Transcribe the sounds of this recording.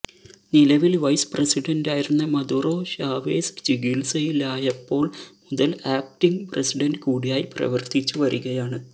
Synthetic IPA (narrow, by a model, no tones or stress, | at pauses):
nilɐʋilʋɐjspresiɖɐndaːjiɾunːɐmɐd̪uro̞ːɕaːʋeːst͡ɕiɡilsɐjilaːjɐpːo̞ːɭmuðɐlaːp̚ʈiŋpresiɖɐndɨkuːɽijaːjiprɐ̰ʋɐrt̪it͡ɕːuʋɐɾuɣɐjaːɳɨ